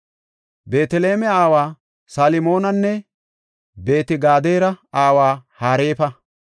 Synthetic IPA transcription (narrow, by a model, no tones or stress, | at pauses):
be̞ːt̪ɛle̞ːmɛaːwaː | salɪmo̞ːnɐnːɛ | be̞ːt̪ɪɡaːd̪eːɾɐaːwaːhaːɾe̞ːfɐ